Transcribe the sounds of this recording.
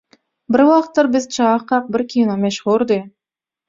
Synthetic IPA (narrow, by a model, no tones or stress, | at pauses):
bɪɾwɑqt̪ːəɾbɪzt͡ʃʰɑqːɑq̚bɪɾkʲʰijnomeʃʁuɾd̪e